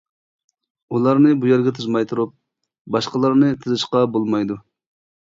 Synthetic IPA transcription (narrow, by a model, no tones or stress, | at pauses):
ulˠɑɾnɨbujɛɾɡʲɛt̪ʰɨzmɑjt̪ʰuɾup̚ | bɑʃqəlˠɑɾnɨt̪ʰɨzɨʃqɑbolˠmɑjd̪u